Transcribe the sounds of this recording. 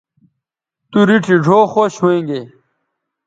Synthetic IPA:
t̪uɾiʈʰiʐʱoːxoɕwẽːŋɡe

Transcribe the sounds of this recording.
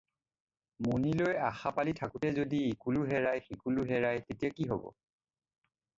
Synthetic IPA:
munilojaxapalitʰakutɛzodiekuluɦɛɹajxikuluɦɛɹajtetijakiɦobɔ̰

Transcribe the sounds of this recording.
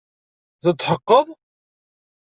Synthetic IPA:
ðət̪ːħəqːəðˤ

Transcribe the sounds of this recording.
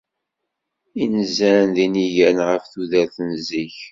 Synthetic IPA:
inzænðiniʝænʁəfθuðæɾθənziç

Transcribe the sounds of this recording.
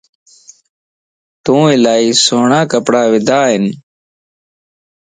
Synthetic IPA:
t̪õːɪlaːiːsoːɳaːkəpɽaːʋɪd̪ʱaːɦɪn

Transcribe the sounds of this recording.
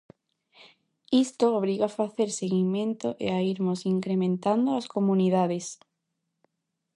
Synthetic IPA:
ist̪oːβɾiɣaafaθeɾseɣimẽnt̪oʔḛaiɾmosiŋkɾemẽnt̪and̪oaskomuniðaðes

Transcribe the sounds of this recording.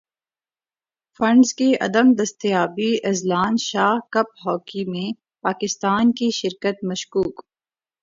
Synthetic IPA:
fɐ̃ɳɖzkiɐ̰d̪əmd̪ɐst̪ijaːbiɐzlaːnʃaːhkɐp̚ɦɔːkimẽ | paːkɪst̪aːnkiʃɪɾkət̪̚mɐʃkuːk

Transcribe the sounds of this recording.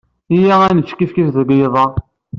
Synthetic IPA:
ijæænət͡ʃːkifkisðəɡjðˤɑ

